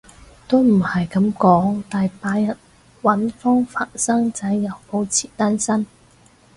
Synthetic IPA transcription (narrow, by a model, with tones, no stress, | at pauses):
t̪o˥wm̩˨˩hɐ˨jkɐ˨˥mkɔː˨˥ŋt̪aː˨jpaː˨˥jjɐ˨˩n | wɐ˨˥nfɔː˥ŋfaː˨˩nsɐ˥ŋt͡sɐ˨˥jjɐ˨˧wpo˨˥wt͡sʰiː˨˩t̪aː˥nsɐ˥n